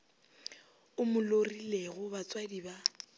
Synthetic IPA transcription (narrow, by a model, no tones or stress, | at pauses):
ʊmʊlorileɣʊbat͡sʼwadiba